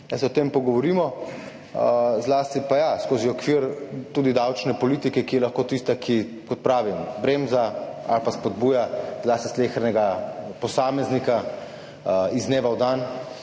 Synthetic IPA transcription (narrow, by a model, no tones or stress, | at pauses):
asɛɔt̪empɔɡɔʋɔɾiːmɔ | zlaːst̪ipajaskoːziɔkʋiːɾt̪uːd̪id̪awt͡ʃnɛpɔliːt̪ikɛkijɛlaxkoːt̪ist̪akʰi | kɔt̪̚pɾaːʋimbɾeːmzaa̰lpaspɔd̪buːjazlaːst̪islexɾnɛɡapɔsaːmɛznika | izneːʋawd̪an